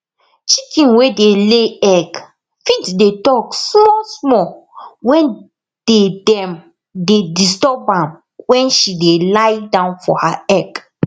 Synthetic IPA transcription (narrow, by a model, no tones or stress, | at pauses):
t͡ʃikĩnwedeleɛɡ | fitdetɔksmɔsmɔwɛ̃n | d̥edɛ̃m | dedistɔpãm | wɛ̃nʃidelajdãʊ̃nfɔhaɛk